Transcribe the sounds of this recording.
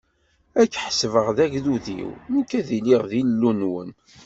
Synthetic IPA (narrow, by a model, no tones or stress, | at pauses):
ækːħsvəʁðæʝðuðḭwməkːæðiliʁðillːunwə̰n